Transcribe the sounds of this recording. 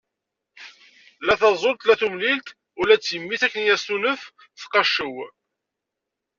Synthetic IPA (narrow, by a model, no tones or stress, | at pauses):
læθɑzˤolt̪læθumlilt̪ | ʊlæt͡sːjəmːiθækːənjæst̪unəf | θqɑʃːəw